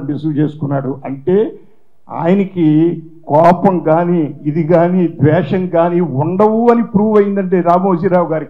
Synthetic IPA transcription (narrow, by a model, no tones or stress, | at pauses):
ɐmisut͡ʃe̞ːsu̥kunːaːɽuʔɐɳʈe̞ː | a̰ːjɐnɐkikɔːpɐmkaːniːd̪iɡaːniːd̪ʋɛːʂɐŋkaːniuɳɖɐwuɐnipɾuːʋɐjind̪ɐɳʈ̬e̞ːɾaːmoːd͡ʒiːɾaːwuɡaːɾik